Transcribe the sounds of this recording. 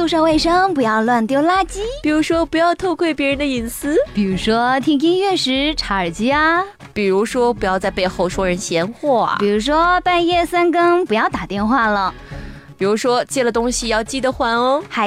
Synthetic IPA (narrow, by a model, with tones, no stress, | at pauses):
su˥˧ʂɑ˥˧ʊwe˥˩ɪʂɤ˥ŋpu˧˥jɑ˥˧ʊlwa˥˧nt̪jo˥˩ʊla˥t͡ɕi˥pi˨˩ɻu˧˥ʂwɔ˥pu˧˥jɑ˥˧ʊt̪ʰo˥˧ʊkʰwe˥˩ɪpjɛ˧˥ɻə˧˥nd̪ə˧i˨˩nsɹ̩˥pi˨˩ɻu˧˥ʂwɔ˥t̪ʰi˥ŋi˥ŋɥɛ˥˩ʂɻ̩˧˥ʈ͡ʂʰa˧˨˩ə˨˩t͡ɕi˥ɐ˧ | pi˨˩ɻu˧˥ʂwɔ˥pu˧˥jɑ˥˧ʊt͡sa˥˧ɪpe˥˧ɪxo˥˩ʊʂwɔ˥ɻə˧˥nɕjɛ˧˥nxwɔ˥˩ɐ̰˩pi˨˩ɻu˧˥ʂwɔ˥pa˥˧njɛ˥˩sa˥nkɤ˥ŋpu˧˥jɑ˥˩ʊt̪a˨˩t̪jɛ˥˧nxwa˥˩lə˩ | pi˨˩ɻu˧˥ʂwɔ˥t͡ɕjɛ˥˩lə˨˩t̪ʊ˥ŋɕi˨jɑ˥˧ʊt͡ɕi˥˩d̪ə˨˩xwa˧˥nə˥˧xa˧˥